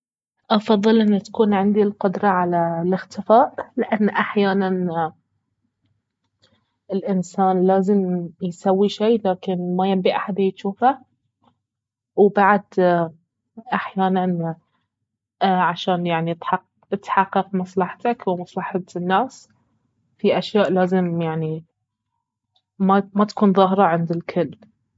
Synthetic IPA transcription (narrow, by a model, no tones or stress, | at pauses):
ʔɑfɑðˤːɨlʔɪnːat̪ḁkuːnʕɪnd̪ilqʊd̪ɾˤɑʕalalɪxt̪ɪfaːʔlɪʔanːʔaħjaːnan | ɪlʔɪnsaːnlaːzɪmjsawːiʃiːlaːkɪnmajambiʔaħad̪ajt̪ʃuːfa | wbaʕd̪ | ʔaħjaːnan | ʕaʃaːnjaʕnit̪ħɑ | ɪt̪ħɑqːɑqmɑsˤlɑħt̪akwmɑsˤlɑħat̪nːaːs | fiʔaʃjaːʔlaːzɪmjaʕni | mamat̪ḁkuːnðˤɑɦɾˤɑʕɪnd̪ɪlkʰʊlː